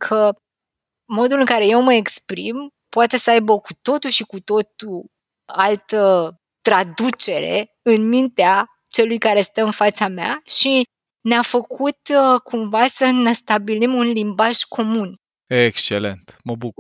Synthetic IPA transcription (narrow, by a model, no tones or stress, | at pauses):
kʰə | mo̞d̪ulɨŋkaɾe̞je̞wməe̞kspɾim | poat̪e̞səajbəkut̪o̞t̪uʃikut̪o̞t̪u | alt̪ə | t̪ɾad̪ut͡ʃe̞ɾe̞̰ | ɨnmint̪ea | t͡ʃe̞lujkaɾe̞st̪əɨnfat̪samea̰ʃi | neafəkʰut̪kʰumvasənest̪abilimunlimbaʒkʰo̞mun | ekst͡ʃelḛnt̪məbuku